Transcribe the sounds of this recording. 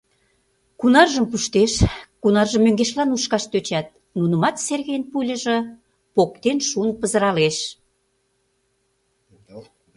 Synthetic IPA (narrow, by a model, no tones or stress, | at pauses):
kunɑrʒəmpuʃt̪eʃkunɑrʒəmːøŋɡeʃlɑnuʃkɑʃt̪øt͡ɕɑt̪̚ | nunə̆mɑt̪serɣenpulʲə̆ʒə̆ | pok̚t̪enʃunpəzə̆ɾɑleʃ